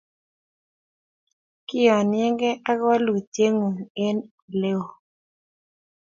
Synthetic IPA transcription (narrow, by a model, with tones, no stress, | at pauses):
kɪ˦ɔ˨nɪ˦ɛ˦ŋɡɛ˦ʔa˦ɡa˦lu˨te˦ŋu˨ɪ˦n | le˦o˨